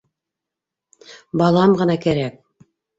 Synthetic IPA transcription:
bɑlˠɑmʁɤ̆nɑkæɾæk̚

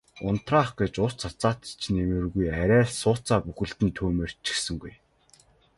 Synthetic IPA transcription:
ʊn̥t̪raːχɡet͡ɕʊst͡sʰat͡saːt̪i̥t͡ɕʰnemɘ̆rɣujæɾʲæːsʊːt͡saːpuxɘ̆ɮt̪ɘ̆nt̪ʰuːmeːr̥t͡ɕĭ̥xsɘ̆ŋɡuj

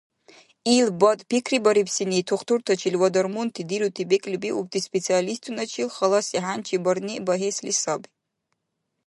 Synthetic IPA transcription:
ilbɔt̪ʼpʰikʰribɔɾipʰsinitʰuχtʰurt̪ʰɔt͡ʃʰilwɔd̪ɔrmunt̪ʰid̪ilut̪ʰibekʼlʲibiubt̪ʰʼispʼet͡sʰialist̪ʰunat͡ʃʰilχəlɔsiɦant͡ʃʰibɔrnibaɦeslisabi

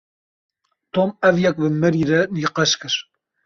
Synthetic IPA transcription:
t̪omɛvjɛkvɨmɛɾiːɾɛniːqɐʃkɨɾ

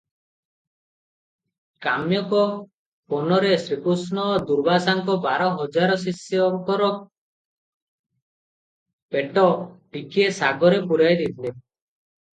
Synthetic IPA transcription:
kamjɔkɔ | pɔnɔɾesɾikusnɔd̪uɾbasaŋkɔbaɾɔɦɔd͡ʒaɾɔs̬isjɔŋkɔɾɔ | peʈɔʈikiesaɡɔɾepuɾajd̪it̪ʰle

